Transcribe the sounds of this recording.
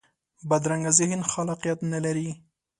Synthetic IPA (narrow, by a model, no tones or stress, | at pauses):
bad̪ɾaŋɡazɪhɪnxalɑqijat̪nalaɾi